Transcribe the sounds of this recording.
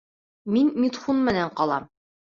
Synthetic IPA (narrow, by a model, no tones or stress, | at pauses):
minmit̪χunmɘ̆næɴqɑlˠɑm